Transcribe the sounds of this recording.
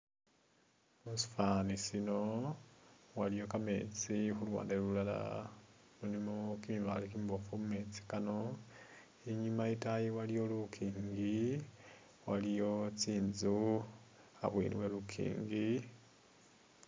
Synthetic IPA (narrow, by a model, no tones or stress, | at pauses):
musu̥fanisino̞ | walijo̞kame̞̰ːt͡sixulwa̰ːndelulala̰ | mulimokimiβa̰likimbofumume̞t͡si̥kano̞ | iɲimaitajiwalijo̞lukʰiːŋɡi | walijo̞t͡siːnzu | a̰βwḭlḭwe̞lukʰḭːŋɡi